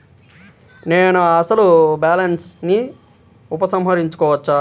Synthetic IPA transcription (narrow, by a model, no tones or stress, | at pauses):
neːnuɐsɐlubaːlɐnsni | upɐsɐmɦɐɾiɲt͡ʃu̥kɔːʋɐt͡ʃːaː